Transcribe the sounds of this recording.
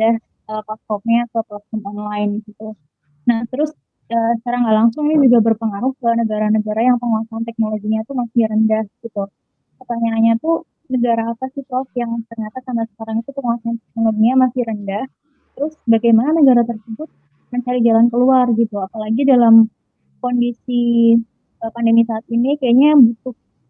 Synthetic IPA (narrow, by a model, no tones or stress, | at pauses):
dah | ʔəplat̚fɔp̚ɲat̪aplat̪̚fɔmɔnlaɪnɡit̪u | naht̪əɾʊs | əsəkaɾaŋɡaʔlaŋsʊŋinid͡ʒuɡabərpəŋaɾʊhkanəɡaɾanəɡaɾajaŋpəŋuasaant̪ɛk̚noloɡiɲat̪umasɪɾəndahɡ̥it̪u | pət̪aɲaːɲat̪u | nəɡaɾaːpasɪpɾɔfjaŋt̪ərɲat̪asambasə̥kaɾaŋit̪upəŋuwasaant̪ɛk̚noloɡiɲamasɪɾəndah | t̪əɾʊsbaɡajmananəɡaɾat̪ərsəbʊt̪̚ | məɲt͡ʃaɾid͡ʒalankəluarɡit̪uapalaɡidalam | kondisi | əpandəmisaːt̪̚inikajaɲabut̪ʊh